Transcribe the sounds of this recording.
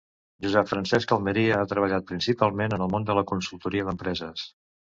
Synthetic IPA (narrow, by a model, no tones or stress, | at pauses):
ʒuzɛpfɾənsɛskəlˠməɾiəat̪ɾəβ̞əʎat̪̚pɾinsipalˠmenənəlˠmond̪ələkunsulˠt̪uɾiəðəmpɾɛzəs